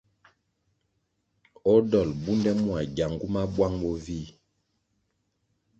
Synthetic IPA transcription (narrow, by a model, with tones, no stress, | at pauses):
ɔ˦dɔ˨lbu˦ndɛ˦mu˦a˨ɟa˨ŋɡu˦ma˦bwa˦ŋbɔ˦vi˦˨